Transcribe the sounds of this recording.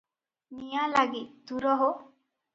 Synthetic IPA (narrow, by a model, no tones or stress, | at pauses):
nijalaɡit̪̚t̪uɾɔɦo